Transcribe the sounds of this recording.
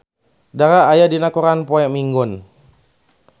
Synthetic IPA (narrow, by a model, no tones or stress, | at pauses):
daɾaːjadinakuɾanpɔɛmiŋɡʊn